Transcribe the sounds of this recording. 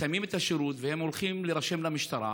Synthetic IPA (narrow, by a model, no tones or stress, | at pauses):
ajmimet̪haʃeɾut̪vehemolχimleʁaʃe̞mlamiʃt̪aɾa̰